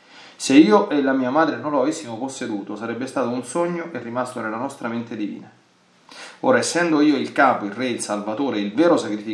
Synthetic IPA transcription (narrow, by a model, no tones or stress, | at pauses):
seiːoʔelamiːamaːd̪ɾenonloavesːimoposːed̪uːt̪osaɾɛbːest̪aːt̪ounsɔɲːoʔerːimast̪onelːanɔst̪ɾament̪ed̪ivḭːna | o̰ːɾaesːɛnd̪oiːoilkaːpoirːɛilsalvat̪oːɾeilvɛːɾosakɾifi